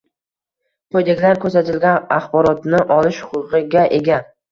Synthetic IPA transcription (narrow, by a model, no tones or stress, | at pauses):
qʰojd̪ekʲlaɾkʰɵɾsat̪ʰɪlɡʲanaχbɒɾɒt̪nɪʔɒlɪʃhʊ̥qʊʁɨɡʲaʔeɡʲa